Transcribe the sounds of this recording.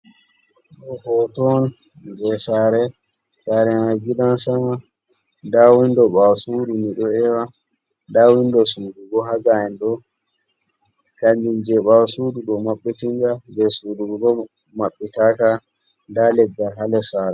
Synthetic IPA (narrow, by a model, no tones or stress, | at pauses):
ɗɔhɔtɔn | d͡ʒɛsaːɾɛ | saɾɛnaɡidansama | dawindɔɓawsuːdumiɗɔɛwa | dawindɔsuːduɡɔɦaɡaɛnɗɔ | kand͡ʒind͡ʒɛɓawsuduɗɔmaɓːitind͡ʒad͡ʒɛsuːduɡɡɔ | maɓːitaka | ndalɛɡːalɦalɛsaɾɛ